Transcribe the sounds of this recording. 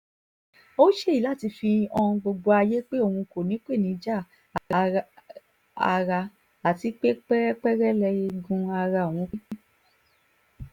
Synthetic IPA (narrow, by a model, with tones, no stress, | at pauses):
o˦ʃe˦i˦la˦˨ti˧fĩ˧ɔ˧ũ˧ɡ͡bo˧ɡ͡bo˧a˧je˦k͡pe˦o˦˨hũ˧ko˨nĩ˨˦k͡pe˦˨nĩ˨˦d͡ʒa˦˨ | a˨˧ | a̰˧ɾa˧ | a˨ti˨˧˦k͡pe˦ɛ˦k͡pɛ˦ɾɛ˦lɛ˧e˧ɡũ˧a˧ɾa˧˨w̃ɔ̃˨˧˦